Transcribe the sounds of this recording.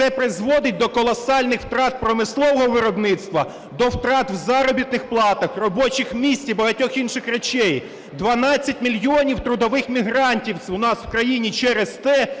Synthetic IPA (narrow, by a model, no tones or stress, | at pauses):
t̪ɛpɾɪzʋɔd̪ɪt̚ʲd̪ɔkɔlˠɔsɑlʲnɪxwt̪ɾɑt̪̚pɾɔmɪslˠɔʋɔɦɔʋɪɾɔbnɪt̪st̪ʋɐ | d̪ɔwt̪ɾɑt̪wzɑɾɔbʲit̪̚nɪxplˠɑt̪ɐxrɔbɔt͡ʃɪxmʲisʲtʲibɐɦɐtʲɔxinʃɪxrɐt͡ʃɛj | d̪ʋɐnɑt͡sʲːɐtʲmʲilʲjiɔnʲiwt̪ɾʊd̪ɔʋɪxmʲiɦɾɑnʲtʲiwʊnɑswkɾɐjinʲit͡ʃɛɾest̪ɛ